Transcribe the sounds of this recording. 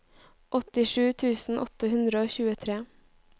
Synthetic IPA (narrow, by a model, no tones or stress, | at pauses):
ʔɔt̪ɪʃʉːt̪ʰʉːsn̩ʔɔt̪əhʉnd̪ɾəoːçʉːət̪ʰɾeː